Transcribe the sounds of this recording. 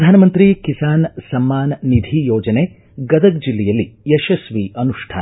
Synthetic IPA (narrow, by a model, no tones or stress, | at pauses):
d̪ʱaːnɐmɐnt̪ɾikisaːnsɐmːaːnnid̪ʱijoːd͡ʒɐneː | ɡɐd̪ɐk̚d͡ʒilːɛjɐlːieʃɐsʋiɐnuʂʈʰa̰ːn